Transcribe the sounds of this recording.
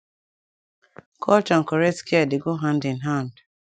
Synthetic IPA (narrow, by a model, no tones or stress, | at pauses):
kʰɔt͡ʃɔŋ̩kɔɾɛskiadɪɡoɦãndɪnɦãnd